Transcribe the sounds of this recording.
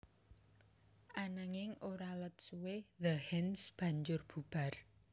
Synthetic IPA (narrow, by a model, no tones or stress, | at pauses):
ʔanaŋɪŋoɾalət̪̚suweðəhɛnsb̥ä̤ɲd͡ʒʊrb̥ṳb̥a̤r